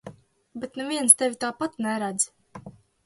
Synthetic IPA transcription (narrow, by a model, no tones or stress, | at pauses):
bɛt̪nɛvʲiɛnst̪ɛvʲit̪aːpat̪nɛɾad̪z